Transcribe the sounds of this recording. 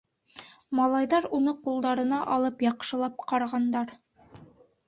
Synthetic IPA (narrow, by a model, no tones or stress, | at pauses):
mɑlˠɑjðɑɾunɤqulˠd̪ɑɾɤ̆nɑʔɒlˠɤpjɑqʃɤ̆lˠɑp̚qɑɾɑʁɑnd̪ɑɾ